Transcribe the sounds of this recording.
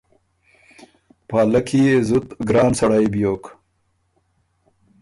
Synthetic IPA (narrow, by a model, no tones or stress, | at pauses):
pɑːlakʰijezʊt̪ɡɾɑːnsɐɽajbjoːk